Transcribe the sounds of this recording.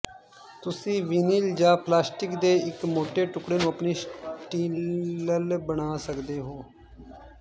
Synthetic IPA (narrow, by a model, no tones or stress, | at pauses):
t̪ʊsĩːʋɪniːld͡ʒãːplaːsʈɪkd̪eːɪkmoːʈeːʈʊkɽeːnũːəpɳiːsʈiːəlbəɳaːsəkd̪eːɦoː